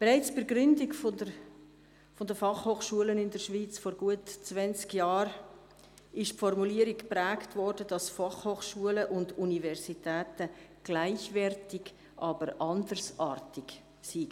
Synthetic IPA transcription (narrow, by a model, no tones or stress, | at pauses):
b̥eɾaɪt͡sb̥ɪɾɡɾʏndɪɡfodə | fɔdəfɑχhoːχʃuələnɪndəʃʋiːt͡sfɔɾɡ̥uətt͡svɛnt͡skjɑːɾ | ɪʃpfɔrmuliːəɾikpɾæːktvɔrd̥əd̥ɑsfɑχhoːχʃuələʔʊndunivɛɾsitæːtəɡ̥laɪçvɛrtɪɡ | ʔɑːbəɾʔɑndərsɑːɾtɪɡ | siɡə